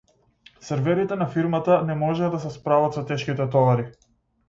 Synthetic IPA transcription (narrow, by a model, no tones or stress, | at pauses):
sɛɾvɛɾit̪ɛnafiɾmat̪anɛmɔʒɛd̪asɛspɾavat̪sɔt̪ɛʃkit̪ɛt̪ɔvaɾi